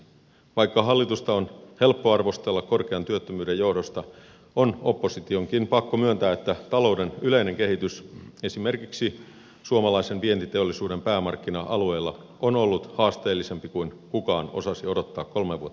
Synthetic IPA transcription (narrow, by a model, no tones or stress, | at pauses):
ʋɑikːɑɦɑlːit̪ust̪ɑonhe̞lpːoɑrʋo̞st̪elːɑkko̞rkeɑnt̪yøt̪ːømyːdejo̞hdo̞st̪ɑ | ono̞pːo̞sit̪ioŋkinpɑkːomyønt̪æːet̪ːæt̪ɑlo̞udenyleine̞ŋkehit̪ysesime̞rkiksi | suomɑlɑisenʋie̞nt̪it̪eolːisuːde̞mpæːmɑrkːinɑʔɑlue̞ːlːɑ̰ | ʔonolːut̪hɑːst̪eːlːise̞mpikuin | kukɑːno̞̰sɑsio̞dot̪ːɑːkko̞lmeʋuot̪ː